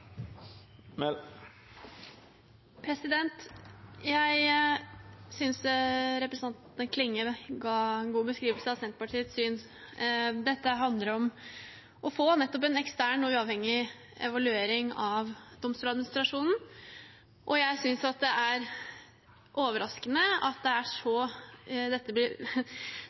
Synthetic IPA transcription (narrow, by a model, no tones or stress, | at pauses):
pʰɾɛsɪd̪ɛnt̪jæɪ | sʏnsɾɛpɾəsɑnt̪əkʰlɪŋːəɡɑːɛnɡuːbəskɾiːʋəlsəɑʋsɛnt̪əpɑʈʰiːət̪syːn | d̪ɛt̪ːəɦɑnd̪ləɾɔm | ʔɔfoːnɛt̪ːɔp̬ɛnɛkst̪æːɳɔʉːɑʋhɛŋːɪ | ɛ̰ʋɑlʉeːɾɪŋɑʋd̪ɔmst̪uːlɑd̪mɪnɪst̪ɾɑʂuːnn̩ | ʔɔjæɪsʏnsɑt̪̚d̪ɛʔæɾ | ʔoːʋəɾɑskənəɑt̪̚d̪ɛæʂɔ | d̪ɛt̪ːəblɪɾ